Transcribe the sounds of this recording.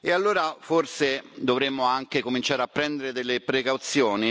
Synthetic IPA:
ealːoːɾaforsed̪ovɾemːoaŋkekomint͡ʃaːɾeapːɾɛnd̪eɾed̪elːepɾekawt̪sjoːni

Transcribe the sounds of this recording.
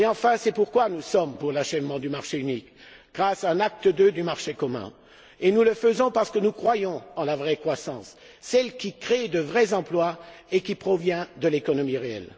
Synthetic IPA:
eɑ̃fɛ̃sɛpuʁkwanusɔmpuʁlaʃɛvmɑ̃d̪ymaʁʃeynik | ɡ̥ʁasaɛ̃nak̚t̪əd̪ød̪ymaʁʃekɔmɛ̰̃ | enuləfəzɔ̃paʁsə̥kənukχwajɔ̃ɑ̃lavʁɛkχwasɑ̃sː | ɛlkʲikχed̪əvʁɛzɑ̃plwaekʲipχɔvjɛ̃d̪əlekɔnɔmiʁeɛ̰l

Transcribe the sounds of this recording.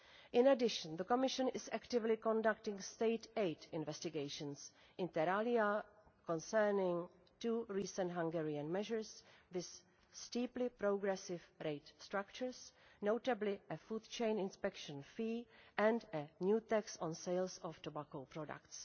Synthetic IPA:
ʔɪ̃nɛdɪʃə̃nðəkomɪʃə̃nɪsɛktɪvlɪkɔ̃ndaktɪ̃ŋsteɪtejtɪ̃nvɛstɪɡejʃə̃ns | ʔɪ̃nt̪ɛɾaliakɔ̃nsɛɹnɪ̃ŋ | tuːɹiːsə̃ntɦãŋɡɛɹiãnmɛʒəɹsvɪsː | tiːplɪpɾoɡɾɛsɪvɾejtst̪ɾak̚t͡ʃəɹsnowtablɪəfuːdt͡ʃẽjnɪ̃nspɛkʃə̃nfiːɛ̃ndɛnjuːt̪ɛksɔ̃nsejlsɔftobakowpɾɔda̰kts

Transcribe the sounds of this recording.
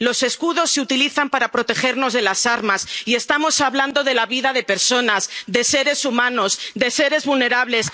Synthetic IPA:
lo̞se̞skuðo̞sːe̞ut̪iliθampaɾapɾo̞t̪e̞xe̞ɾno̞zðe̞lasaɾmasie̞st̪amo̞saβland̪o̞ðe̞laβiðaðe̞pe̞ɾso̞nazðe̞se̞ɾe̞sumãno̞zd̪e̞se̞ɾe̞zβulne̞ɾaβ̞le̞s

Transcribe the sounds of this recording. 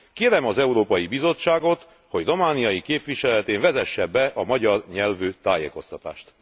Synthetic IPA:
keːɾɛmɒzɛuɾoːpɒjibizo̞t͡ʃːaːɡo̞t̪ | ho̞ɟro̞maːnijɒjikeːpʋiʃɛlɛt̪eːɱvɛzɛʃːɛbːɛʔɒmɒɟɒrɲɛlvøːt̪aːjḛːko̞st̪ɒt̪a̰ːʃt̪

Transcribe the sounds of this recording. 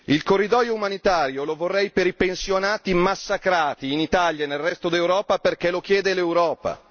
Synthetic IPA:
ilkorːid̪ɔːjoumanit̪aːɾjolovorːɛjpeɾipensjonaːt̪imasːakɾaːt̪iːnit̪aljanelrːɛst̪od̪ewɾɔːpaperkɛlok̟jɛːd̪elewɾɔːpa̰

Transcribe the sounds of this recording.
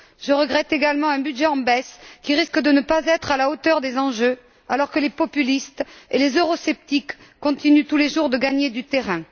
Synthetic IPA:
ʒ̥əʁəɡʁɛt̪eɡalmɑ̃ɛ̃byd̪ʒɛɑ̃bɛskʲiʁiskəd̪ənəpazɛt̪χalaot̪œʁd̪ezɑ̃ʒø | alɔʁkəlepɔpylist̪elezøʁɔsɛp̚t̪ikːɔ̃t̪inyt̪uleʒuʁd̪əɡaɲed̪yt̪eʁɛ̃

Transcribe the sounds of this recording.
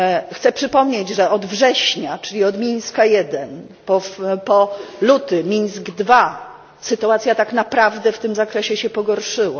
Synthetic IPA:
xt̪sɛpʂɘpɔmɲed͡ʑʐɛʔɔd̪vʐɛɕɲat͡ʂɘlʲiɔd̪mʲiɲskajɛd̪ɛn | pɔpɔlut̪ɘmʲiɲsɡd̪va | sɘt̪uat̪sʲjat̪aknapɾavd̪ɛft̪ɘmzakɾɛɕɛɕɛpɔɡɔɾʂɘwa

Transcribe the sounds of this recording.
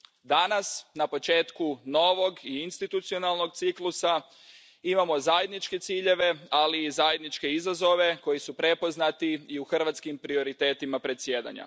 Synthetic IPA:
d̪anasnapo̞t͡ʃe̞ːt̪kuno̞ʋo̞ɡiinst̪it̪ut̪sio̞nalˠno̞ɡt̪siklˠusa | imamo̞zaje̞d̪nit͡ʃke̞t̪siːʎe̞ʋe̞aliːzajed̪nit͡ʃke̞izazo̞ʋe̞ko̞jisupɾe̞po̞znat̪iːuxr̩ʋat̪skimpɾio̞ɾit̪e̞ːt̪imapɾe̞t̪sje̞ːd̪a̰ɲa̰

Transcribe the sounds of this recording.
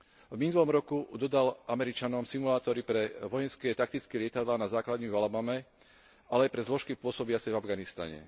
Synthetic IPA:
vminulɔmɾɔkud̪ɔd̪alʔamɛɾit͡ʃanɔmsimulaːt̪ɔɾipɾɛʋɔjɛnskɛːt̪ak̚t̪it͡skɛlɪɛt̪ad̪laːnazaːklad̪ɲimvalabamɛ | alɛajpɾɛzlɔʃkipʊɔsɔbiat͡sɛvavɡanist̪a̰ɲɛ̰

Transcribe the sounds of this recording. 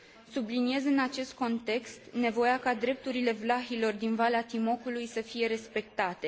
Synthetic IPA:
sublinije̞zɨnat͡ʃe̞st̪̚ko̞nt̪e̞kst̪ne̞vo̞jakad̪ɾe̞p̚t̪uɾile̞vlaxilo̞rd̪invaleat̪imo̞kulujsəfije̞ɾe̞spe̞k̚t̪at̪e̞

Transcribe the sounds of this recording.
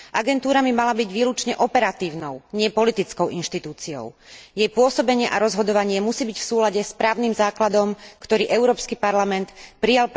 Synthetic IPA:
ʔaɡɛnt̪uːɾabimalabiɟʋiːlut͡ʃɲɛʔɔpɛɾat̪iːʊnɔʊɲɪɛpɔlit̪it͡skɔʊʔinʃt̪it̪uːt͡siɔ̰ʊjɛjpʊɔsɔbɛɲɪɛʔaɾɔzɦɔd̪ɔʋaɲɪɛmusiːbicfsuːlaɟɛspɾaːʊniːmzaːklad̪ɔmkt̪ɔɾiːʔɛʊɾɔːpskipaɾlamɛnt̪pɾijalp

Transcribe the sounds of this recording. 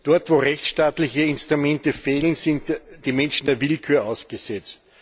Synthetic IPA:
d̥ɔɐtvoːʁɛçt͡sʃtaːtlɪçəɪnstʁ̥ʊmɛntəfeːlən̩sɪntd̥iːmɛnʃn̩d̥eːɐvɪlkʰyːɐaʊsɡ̥əsɛt͡st

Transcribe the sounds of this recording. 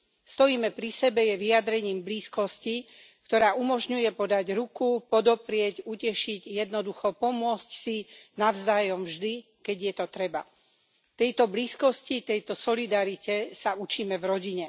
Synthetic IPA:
st̪ɔjiːmɛpɾisɛbɛjɛʋiad̪ɾɛɲiːmbliːskɔsci | kt̪ɔɾaːʔumɔʒɲujɛpɔd̪aɟɾukupɔd̪ɔpɾɪɛɟucɛʃiɟjɛd̪nɔd̪uxɔpɔmʊɔt͡scsinavzd̪aːjɔmvʒd̪i | kɛɟjɛt̪ɔt̪ɾɛba̰ | t̪ɛjt̪ɔbliːskɔscit̪ɛjt̪ɔsɔlid̪aɾicɛsaut͡ʃiːmɛvɾɔɟiɲɛ

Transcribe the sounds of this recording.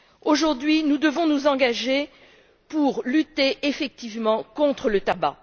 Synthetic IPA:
oʒuʁd̪ɥinud̪əvɔ̃nuzɑ̃ɡaʒe | puʁlyt̪eʔefɛk̚t̪ivmɑ̃kɔ̃t̪χələt̪aba̰

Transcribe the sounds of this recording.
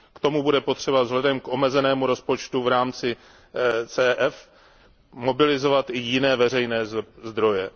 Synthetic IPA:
kt̪o̞mubudɛpot̪r̝̥ɛbavzɦlɛdɛmkʔo̞mɛzɛnɛːmuɾo̞spot͡ʃt̪uvɾaːmt͡sɪ | t͡sɛːʔɛf | mo̞bɪlɪzo̞vat̪ʔɪjɪnɛːvɛrɛjnɛːzd̪ɾo̞jɛ

